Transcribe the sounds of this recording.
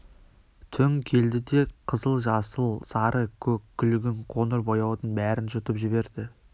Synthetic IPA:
t̪ʰʏŋkʲʰe̞ld̪ɪd̪e̞qʰəzəlˠʒɑsəlˠsɑɾəkʲʰɵkʲʰːʏlɪɡʲɪɴqʰo̞nəɾbo̞jɑwd̪ənbæɾɪnʒʊt̪əpʒɪbe̞ɾd̪ɪ

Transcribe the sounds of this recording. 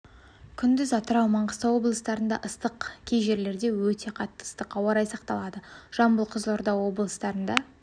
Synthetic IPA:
kʲʰʏnd̪ɪzɑt̪əɾɑwmɑɴʁəst̪əwo̞blˠəst̪ɑɾənd̪ɑ̰ʔəst̪əqkʲʰejʒe̞ɾle̞ɾd̪e̞wɵt̪ʰe̞qʰɑt̪ːə̥ə̥st̪əqɑwɑɾɑjsɑqt̪ɑlˠɑd̪əʒ̥ɑmbəlˠqʰəzlˠoɾd̪ɑwo̞blˠəst̪ɑɾənd̪ɑ

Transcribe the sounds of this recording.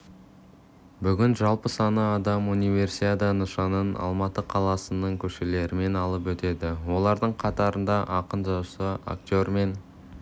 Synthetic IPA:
bʏɡʲɪnʒɑlˠpəsɑnəɑd̪ɑmunijvʲe̞rsit̪at̪ənəʃɑnənɑ̰lˠmɑt̪əqʰɑlˠɑsənəɴkʲʰɵʃe̞le̞ɾɪme̞nɑlˠəpwɵt̪e̞d̪ɪwo̞lˠɑɾd̪əɴqʰɑt̪ɑɾənd̪ɑʔɑqənʒɑwsəa̰ktʲo̞rme̞n

